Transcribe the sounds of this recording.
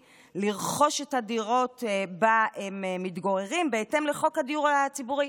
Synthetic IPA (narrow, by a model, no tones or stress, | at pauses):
liʁχo̞ʃethadiʁo̞tbaemmitɡoʁeʁimbeete̞mleχo̞khadiuʁalat͡sibuʁi